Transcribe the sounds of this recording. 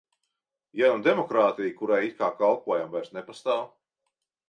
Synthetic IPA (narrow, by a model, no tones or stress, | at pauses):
janumd̪ɛmɔkɾaːt̪ijkuɾajit̪̚kaːkalˠpuɔjamvajɾsnepast̪aːw